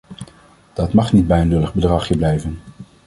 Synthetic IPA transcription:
d̥ɑtmɑχnid̚bɛjənlɵləχbədrɑχjəblɛjvən

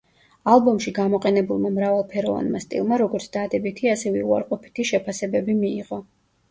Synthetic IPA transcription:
alˠbɔmʃiɡamɔqʼɛnɛbulˠmamɾavalˠpʰɛɾɔva̰nmast̪ʼḭlˠmaɾɔɡɔɾt̪sʰd̪ad̪ɛbit̪ʰiasɛvɛua̰ɾqʼɔpʰi̥t̪ʰiʃɛpʰasɛbɛbimiːʁɔ

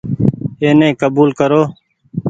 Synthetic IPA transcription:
eːnẽːkəbuːlkəɾoː

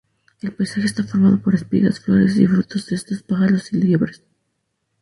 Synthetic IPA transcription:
e̞lpajsaxeest̪afo̞ɾmað̞o̞po̞ɾe̞spḭða̰sflo̞̰ɾḛsḭfɾut̪o̞zðeest̪ospaɣalo̞siljeβɾes

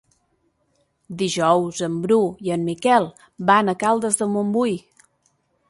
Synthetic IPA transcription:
d̪iʒɔwzəmbɾuiəmːikɛlˠ | banəkalˠd̪əzðəlˠmombuj

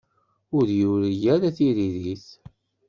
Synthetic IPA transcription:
ʊɾjuɾəjæɾæθiɾiðiθ

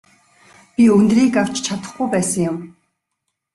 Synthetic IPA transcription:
pʲiɵnt̪riːkaw̥t͡ɕt͡ɕʰat̪ə̆χɡujpæːsə̆ŋjʊm

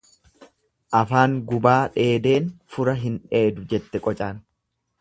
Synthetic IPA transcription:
ʔɐfaːŋɡʊbaːᶑe̞ːd̪e̞ːnfʊɾɐɦɪnᶑe̞ːd̪ʊd͡ʒɛt̪ːɛkʼɔt͡ʃʼaːn

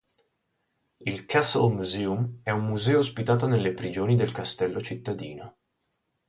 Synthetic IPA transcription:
ilkʰasa̰lmuzɛːumɛumːuzɛːoːspit̪aːt̪onelːepɾid͡ʒoːnid̪elkast̪ɛlːot͡ʃit̪ːad̪ḭːno

